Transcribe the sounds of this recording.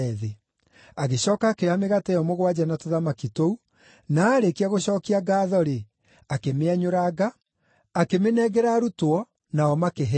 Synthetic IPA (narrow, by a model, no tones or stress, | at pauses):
ðe | aɣeɕɔːkakeameɣatɛjɔmoɣwad͡ʑanatoðamakitou | naːɾekiaɣoɕɔːkiaɡaːðɔɾe | akemeaɲoɾaɡaː | kemenɛɣɛɾaɾutwɔ | naɔmakeɦ